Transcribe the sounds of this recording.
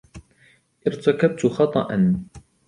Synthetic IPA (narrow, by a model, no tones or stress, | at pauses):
ʔɪɾt̪akab̚t̪xɑt̪ˤɑ̰ʔɑn